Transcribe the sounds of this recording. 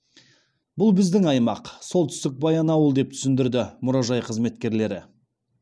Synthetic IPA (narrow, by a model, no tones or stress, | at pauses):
bʊlˠbɪzd̪ɪŋɑjmɑqsolˠt̪ʰʏ̥st̪ɪk̚bɑjɑnɑwəlˠd̪e̞p̚t̪ʰʏ̥sɪnd̪ɪɾd̪ɪmʊɾɑʒɑjqʰəzme̞t̪kʲe̞ɾle̞ɾɪ̰